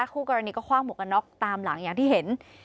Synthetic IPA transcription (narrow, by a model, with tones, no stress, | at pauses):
kʰuː˥˩kɔ˧ɾa˧niː˧kɔː˥˩kʰwaː˥˩ŋmu˨˩ka˧nːɔ˦˥˩k̚t̪aː˧mla˨˩˦ŋjaː˨˩ŋt̪iː˥˩he˩˦n